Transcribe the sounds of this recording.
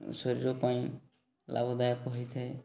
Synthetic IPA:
sɔɾiɾɔpaĩ | lʔa̰bɔd̪ajakuɦɔjt̪ʰae

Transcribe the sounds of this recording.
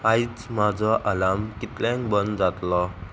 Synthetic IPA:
ajt͡smad͡zɔʔalamkit̪lɛŋbɔnd͡zat̪lɔ

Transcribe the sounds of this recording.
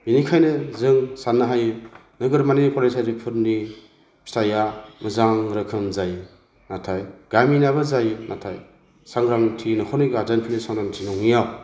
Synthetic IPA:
binikʰajnɯzɯŋsanːɯɦajɯ | nɯɡɯɾmanipʰɔlesʰajdipʰɯɾni | bʰi̥stajamɯzaŋɾɯkʰɯnzaj | natʰajɡ̥aminabɯzajɯnatʰaj | saŋɡɾaŋtʰinɯkʰɔniɡadanpʰɯnisaŋdantʰinɔŋijaw

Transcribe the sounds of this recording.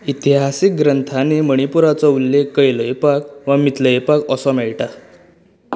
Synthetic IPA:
it̪iɦasik̚ɡɾənt̪ʰaneməɳ̃ipuɾat͡sɔulːekːəjləjpak̚ʋəmit̪ləjpakɔsɔmɛɭʈa

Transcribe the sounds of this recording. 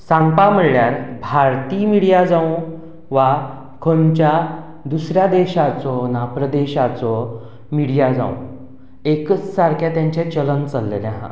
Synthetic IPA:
sãŋɡpam̤əɽɭjaɾbʱaɾt̪iːmiɽijad͡zãũ | ʋa | kʰont͡ɕa | d̪usɾjad̪eɕat͡sɔnapɾəd̪eɕat͡sɔ | miɽijad͡zã̰ṵ̃ | ekət͡ssaɾkʰjat̪jãɲt͡ɕẽt͡ɕələnt͡səlːḛlɛɦã̰

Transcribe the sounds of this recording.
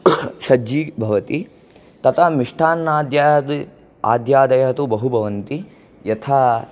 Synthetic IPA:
sɐd͡ʒiːbʱɐʋɐt̪i | t̪ɐt̪ʰamiʂʈʰaːnːaːd̪jaːd̪ | a̰ːd̪jaːd̪ɐjɐɐt̪ubɐɦubʱɐʋɐnt̪i | jɐt̪ʰaː

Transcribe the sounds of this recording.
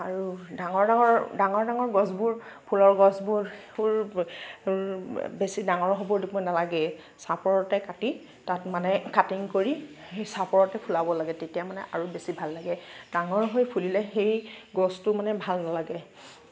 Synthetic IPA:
aɹudaŋɔɹdaŋɔɹdaŋɔɹdaŋɔɹɡɔsbuɹpʰulɔɹɡɔsbuɹpuɹ | besidaŋɔɹɦɔbɔɹdipɔjnalaɡɛ | sapɔɹɔtɛkati | tatmanɛkatiŋkoɹi | xejsapɔɹɔtɛpʰulabɔlaɡɛtetijamanɛʔaɹubesibʱalːaɡɛdaŋɔɹɦojpʰulilɛxejɡɔstʊmanɛbʱalnalaɡɛ

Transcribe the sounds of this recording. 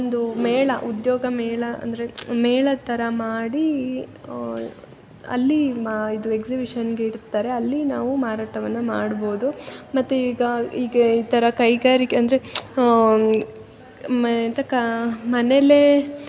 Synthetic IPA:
ond̪umɛːɭɐʔud̪joːɡɐmɛːɭɐɐ̰nd̪ɐɾe̞meːɭɐt̪ːɐɾɐmaːɽi | ɐ̰lːiid̪ue̞ksibiʂɐnɡeiɽt̪ːaːɾe̞ɐlːinaːʋumaːɾaːʈɐʋɐnːɐmaːɽbo̞ːd̪umɐt̪ːuiːɡɐiːɡɐiːt̪ɐɾɐkɐjɡaːɾikeɐnd̪ɐɾe | mt̪ɐkɐmɐnele

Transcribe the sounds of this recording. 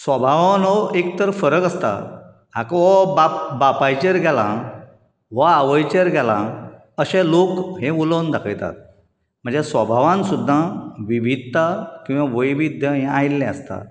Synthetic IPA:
sʋəbʱaʋanɔekt̪əɾfəɾəkəst̪a̰ | ɦakʋɔbapbapajt͡ɕeɾɡʱɛlã | ʋaːʋəjt͡ɕeɾɡɛlã̰ | əɕɛ̃lokɦẽuləwnd̪akʰəjt̪a̰t̪̚ | m̤əɳd͡zesʋəbʱaʋãnsud̪ʱːaʋibid̪̚t̪akĩʋaʋəjʋid̪ʱjəĩajlːɛ̃əst̪a̰

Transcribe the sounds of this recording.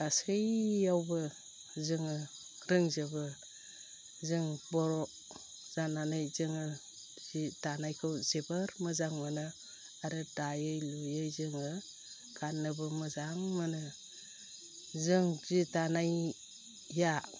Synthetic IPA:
tasɯjːawbɯ | zɯŋɯ | ɾɯŋzɯbɯ | zɯŋbɔɾɔ | z̥ananɯjzɯŋɯ | zitanajkʰɯwzebɯɾmɯzaŋmɯnɯ | aɾɯdajɯjlujɯjzɯŋɯ | kʰanːɯbɯmɯzaŋmɯnɯ | zɯŋzitanaj | ja

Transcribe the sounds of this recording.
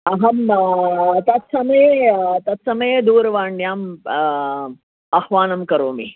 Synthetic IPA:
ɐɦɐm | t̪ɐt̪sɐmɐjet̪ɐt̪sɐmɐjed̪uːɾʋaːɳɖjaːm | ɐhʋaːnɐmkɐɾoːmḭ

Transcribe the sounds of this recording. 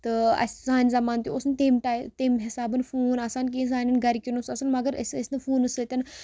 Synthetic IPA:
t̪ɨɐ̰sʲsaːnʲzɐmaːnt̪juosnɨt̪emʈat̪eːmɦɪsaːbɨnfuːnɐsaːnk̬iis̬aːnʲɐnɡɐɾikinusɐsɐnmɐɡəɾəsəsʲnɨfuːnɨsɨt̪ʲɐn

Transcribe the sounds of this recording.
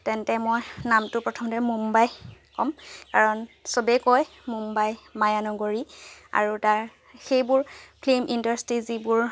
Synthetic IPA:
tɛntɛmojnamtʊpɹɔtʰɔmɔtɛmumbajkɔmkaɹɔnsobɛkɔj | mumbajmajanɔɡoɹia̰ɹutaɹ | xejbʊɹpʰlemʔindaɹstɹizibʊɹ

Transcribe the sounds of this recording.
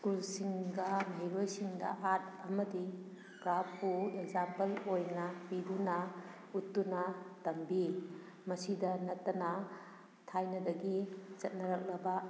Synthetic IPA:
skulsiŋɡɐmɦeɾojsiŋdɐ̰ʔat̚ɐmɐdi | ɡɾapːuekzampelojnɐpidunɐ | utːunɐtɐmbi | mɐsidɐnɐtːɐnɐ | tʰajnɐdɐɡit͡ʃɐt̚nɐɾɐk̚lɐbɐ

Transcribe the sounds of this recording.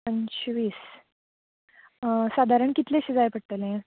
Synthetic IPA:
ənɕʋiːs | sad̪ʱaɾəɳkit̪leɕid͡zajpəɽt̪əlẽ

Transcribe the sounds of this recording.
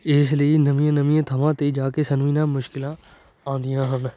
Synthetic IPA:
ɪsləiːnəʋĩjãːnəʋĩjãːt̪ʰəʋãːt̪eːd͡ʒaːkeːsənʋiːnãːmʊʃkɪlãː | ãːnd̪ɪjãːɦən

